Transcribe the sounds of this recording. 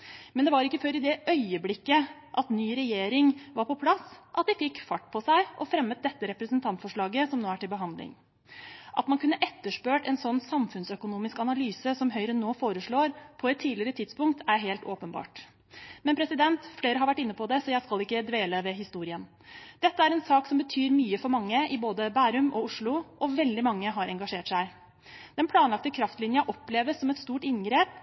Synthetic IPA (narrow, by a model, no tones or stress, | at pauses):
mɛnd̪ɛʋɑɾɪkːəføːɾɪd̪ɛʔœʏəblɪkːə | ʔɑt̪nyːɾɛjeːɾɪŋʋɑɾpɔpʰlɑsʔɑt̪̚d̪ɪfɪkfɑʈːpʰɔsæɪʔɔfɾɛmːət̪̚d̪ɛt̪ːəɾɛpɾəsənt̪ʰɑnt̪fɔʂɭɑːɡəsɔmnoːæʈɪlbəɦɑnd̪lɪ̰ŋ | ʔɑ̰t̪mɑnkʰʉnːəʔɛt̪ːəʂpøːʈɛnsɔnːsɑmfʉnsœkʊnuːmɪskɑnɑlyːsəsɔmɦœʏɾənːoːfoːɾəʂɭoːɾpʰɔɛt̪ʰːiːlɪɾət̪ʰɪd̪spʊŋk̚t̪ʰæɾɦeːlt̪oːpənbɑ̰ːʈ | mɛnpʰɾɛsɪd̪ɛnt̪fleːɾəhɑɾʋæʈːɪnːəpʰɔd̪ɛsɔjæɪskɑlɪkːəd̪ʋeːləʋɛɦɪst̪uːɾɪən | d̪̥ɛt̪ːəæɾɛnsɑːksɔmbət̪ʰyːɾmyːəfɔɾmɑŋːəɪboːd̪əbæːɾʉmɔʊʂɭʊʔɔʋɛld̪ɪmɑŋːəɦɑɾɛŋɡɑʂeːʈʂæɪ | d̪̥ɛnpʰlɑːnlɑk̚t̪əkʰɾɑft̪lɪnjɑʔɔpleːʋəsːɔmɛt̪st̪uːʈɪnɡɾeːp̚